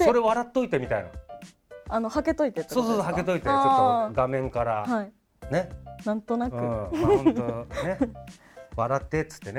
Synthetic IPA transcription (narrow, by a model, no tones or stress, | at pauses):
esoɾeβaɾat̪ːo̞it̪e̞mʲit̪aina̰ | ano̞hake̞t̪o̞it̪et̪soːsoːsohakke̞t̪o̞it̪eaːt͡ɕoɡamẽ̞ŋkaɾahai | ne̞nãnt̪o̞naɯkɯ̃aõone | βaɾat̪ːet̪ːɨ̥t̪ːe̞ne